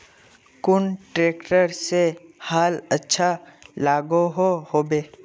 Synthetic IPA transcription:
kʊɳʈɾeːkʈəɾsehaːlətːʃʰalaːɡoɦohoːbeː

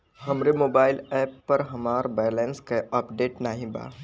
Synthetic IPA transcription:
ɦɐmɾemoːbaːɪlɛːpːɐɾɦɐmaːɾbɛːjleːnskaaːpɖeːʈnaɦĩba̰ː

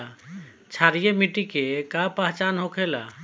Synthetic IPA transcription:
t͡ʃʰaɾijemiʈikekapaɦt͡ʃanɦokʰela̰

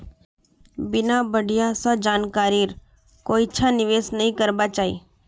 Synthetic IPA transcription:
bɪnabəɖʱɪjasãd͡ʒaːnkaːɾiɾ | koːitːʃʰanɪʋeːsnəɦĩkəɾbat͡ʃaːḭː

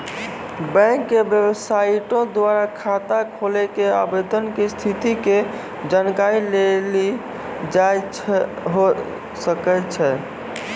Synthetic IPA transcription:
bɛ̃ŋkːebjəbəsaiʈõd̪waɾakʰat̪akʰolɛkeabed̪ənkest̪ʰit̪ike | d͡ʒankaileli | d͡ʒajt͡ʃʰ | ɦo | səkɛt͡ʃʰɛ

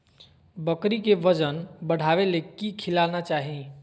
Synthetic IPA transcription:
bəkɾikeʋəd͡ʒənbəɽ̤aʋelekikʰilanat͡ʃaɦĩ

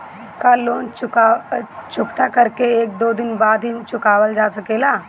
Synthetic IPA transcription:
kaloːnt͡ʃʊkat͡ʃʊkt̪akəɾkeeːk̚d̪oːd̪ɪnbaːd̪ɦit͡ʃʊkaːʋəld͡ʒaːsəkeːla

